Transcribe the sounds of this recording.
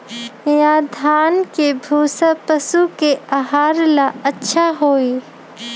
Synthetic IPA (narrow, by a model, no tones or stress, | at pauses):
jaːd̪ʱaːnkebʱuːsapəsukeaɦaːɾlaɐtːʃʰaɦoːiː